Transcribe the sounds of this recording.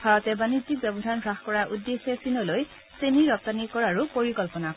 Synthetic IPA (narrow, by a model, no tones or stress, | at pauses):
bʱaɹɔt̪ɛbanid͡ʑik̚bɛbɔd̪ʱanɡʱɹaxkɔɹaʔudːexɛsinɔloj | seniɹɔp̚t̪anikɔɹaɹupoɹikɔlpɔnak